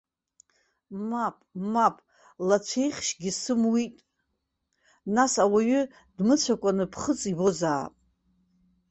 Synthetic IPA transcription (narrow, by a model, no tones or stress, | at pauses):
mapʼmapʼ | lat͡sʷʰe̞jχʲʃɡʲisɨmwitʼ | nasawaɥʏ | dmɨt͡sʷʰakʷʼanɨpʰχət͡sʼibo̞zaːpʼ